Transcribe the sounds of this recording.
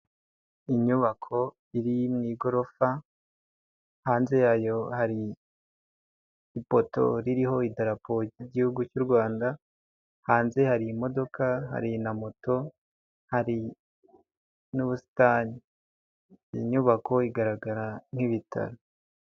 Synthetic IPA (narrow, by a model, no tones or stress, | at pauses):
iɲuβakʰo̞ | iɾimŋiːɡo̞ɾo̞fa | haːnze̞jajo̞haɾi | po̞to̞̰ɾiɾiɦo̞idaɾapoɟiɟihuɡut͡ʃuɾɡwaːnda | haːnze̞haɾiːmo̞do̞kʰaɦa̰ɾinamoto̞ | haɾi | nuβusi̥taːɲi | ḭɲuβakʰo̞iɡaɾaɡaɾan̥hiβitʰa̰ɾo